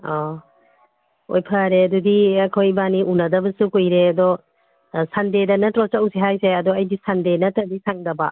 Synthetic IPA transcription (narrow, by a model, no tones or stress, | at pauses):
ɔ | o̰jpʰɐɾeɐdudiɐjkʰojbaniʔunɐdɐbɐsukojɾeɐdɔ | sandedɐnɐtɾɔt͡ʃɐwsiɦajseɐdɔɐjdisandenɐtɐdisʰaŋdɐba